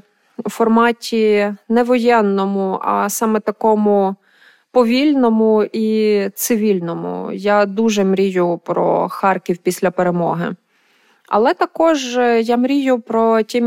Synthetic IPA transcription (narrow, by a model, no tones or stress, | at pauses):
fɔrmɑtʲinɛʋɔjɛnːɔmʊɐ̰sɑmɛt̪ɐkɔmʊ | pɔʋʲilʲnɔmʊit̪sɪʋʲilʲnɔmʊ̰jad̪uʒɛmɾʲijʊpɾɔ̰xɑrkʲiwpʲisʲlʲɐpeɾemɔɦɪ̰ | ɐ̰lˠɛt̪ɐkɔʒjamɾʲijʊpɾɔtʲim